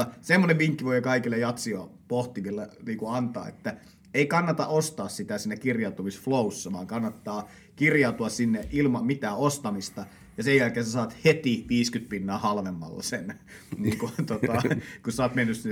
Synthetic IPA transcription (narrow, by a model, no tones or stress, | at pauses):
ɑsemːoneʋʋiŋkːiʋoijokɑikilːejɑt̪siɑpoht̪imilːɑniːŋkuɑnt̪ɑ̰ːḛt̪ːæ | eikɑnːɑt̪ɑ̰ʔost̪ɑːssit̪æsiːnːækirjɑˑut̪umisflousːɑʋɑːŋkɑnːɑt̪ːɑː | kirjɑut̪uɑssinːeʔilmɑmmit̪æːost̪ɑmist̪ɑ | jɑsejjælkeːsesɑːt̪het̪iʋiːskyt̪̚pinːɑːhɑlʋemːɑ̰lːɑ̰senniːŋkut̪ot̪ɑkusɑːt̪menːyssinːe